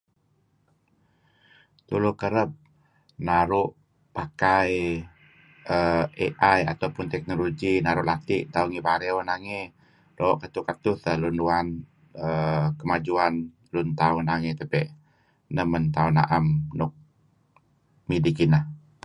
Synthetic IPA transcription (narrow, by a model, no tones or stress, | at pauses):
t̪ulʊkəɾəp̚ | naɾʊʔ | pakaj | əeʔaja̰t̪awpʊnt̪ɛk̚noloɡinaɾʊʔlat̪iʔt̪auŋibaɾeɔnaŋe | loʔkat̪ukat̪ʊθəlunduan | əkəmad͡ʒuan | lunt̪aunaŋet̪əpɛʔ | nəmənt̪auna̰ʔamnʊk̚ | midikinah